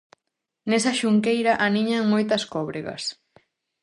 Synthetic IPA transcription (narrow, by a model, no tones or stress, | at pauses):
nesɐʃuŋkejɾɐʔaniɲaŋmojt̪ɐskɔβɾeɣɐ̰s